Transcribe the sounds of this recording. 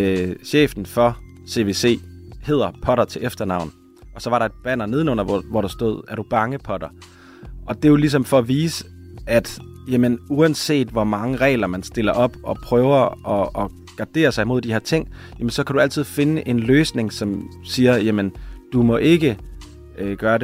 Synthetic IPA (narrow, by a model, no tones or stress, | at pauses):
ɕḛːfd̥n̩fɒ̽se̝ʋe̝se̝̰ːhe̝ð̞̰ˠɐpʰɒ̽ɾɐt͡sʰe̝ʔefd̥ɐnɑ̈ʊ̰n̩ | ɒ̽sɒ̽ʋɑ̈ɾɑ̈e̝d̥̚b̥æn̰ɐne̝ðˠənɔ̽n̰ɐʋɒɾ̥ɑ̈sd̥o̝ð̞̰ˠæɐɾ̥ub̥ɑ̈ŋəpʰɒ̽ɾ̥ɐ | ʔɒ̽d̥e̝jolis̬ɒ̽mfɒ̽ːʋiːsə | æd̥jæmənuænse̝̰ːd̥ʋɒmɑ̈ŋəʁɛ̰ːlɐmænsd̥e̝lɐʔɒ̽b̥ʔɒ̽pʰʁœːʊɐʔɒ̽ː | ɡ̥ɑ̈d̥e̝̰ːɐsɑɪmo̝ð̰ˠd̥iheɐ̰t͡sʰe̝ŋ̰ | jæmənsɒ̽kʰæd̥uæl̰t͡sʰið̞̰ˠfe̝nəʔe̝nløːsne̝ŋsɒ̽msiːɐjæmənd̥umɒ̽ʔe̝ɡ̥ə | ɡ̥ɶːɐɾe